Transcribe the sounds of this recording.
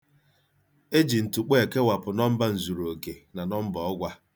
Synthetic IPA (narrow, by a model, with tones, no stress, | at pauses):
e˦d͡ʒi˨n̩˨tu˨k͡pe˦e˨ke˦wa˨pʊ˨nɔ˦m̩˦ba˦n̩˨zu˨ɾo˨ke˨na˨nɔ˦m̩˦bɔ˨ɔ˦ɡʷa˦